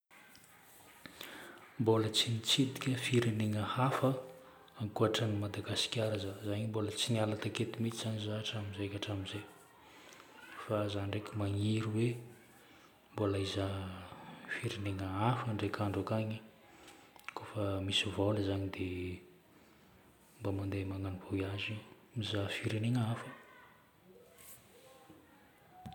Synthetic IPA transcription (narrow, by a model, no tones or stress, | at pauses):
mbolət͡sinit͡sid̪i̥kʲəfiɾiniŋəhafə | aŋkuaʈ͡ʂənimad̪aɡasi̥kʲaɾazazaɲimbolət͡siɲalat̪aket̪imit͡sizanizaːʈ͡ʂaminzeakʲaʈ͡ʂaminzej | fazaɳɖ͡ʐekʲimaŋiɾiwe | mbolaiza | fiɾeneŋəafəɳɖ͡ʐekʰaɳɖ͡ʐakaɲi | kofəmisivalazaɲid̪e | mbamand̪emaŋanivojazi | mizafiɾeneŋafə̥